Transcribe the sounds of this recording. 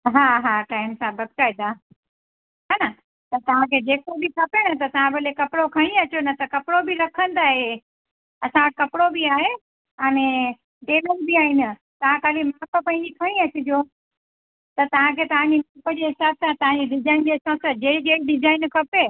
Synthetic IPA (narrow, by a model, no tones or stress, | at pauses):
ɦaːɦaːʈaːɪmsãbɐd̪̚kaːd̪aː | ɦanɐ | t̪ɐt̪ɐʋ̤ãkʰeːd͡ʑeːkobikʰɐpenɐt̪ɐt̪ɐʋ̤ãbɐlekɐpɽokʰɐ̃ɽ̃ĩɐt͡ɕonɐt̪ɐkɐpɽobiɾɐkʰə̃n̆d̪aːɦe | ɐsãʈ̚kɐpɪɽobiaːɦe | əñẽ | ɖeːləɾbiaːɦiːnɪ̆ | t̪ɐʋ̤ãkaːlimaːkəpɐ̃ɦĩɲd͡ʑikʰɐɽ̃ĩɐt͡ɕʊd͡ʑo | t̪ɐt̪ɐʋ̤ãkʰeːt̪ɐʋ̤ãɲd͡ʑimaːkəd͡ʑeɦɪsaːbsãt̪ɐɦãːɲd͡ʑiɖɪzaːɪnd͡ʑeɐsãsad͡ʑeːɽid͡ʑeːɽiɖɪzaːɪnkʰɐpe